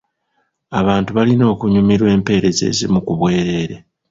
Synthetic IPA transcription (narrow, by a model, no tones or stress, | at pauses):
aβaːntuβalino̞ːkuɲumiɾwe̞ːmpe̞ːɾe̞ze̞̰ːzḭmukuβwe̞ːɾe̞ːɾe̞